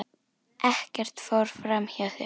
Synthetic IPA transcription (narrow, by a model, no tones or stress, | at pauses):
ʔɛhcɛr̥t̪fowɾ̥fɾamçaθɪ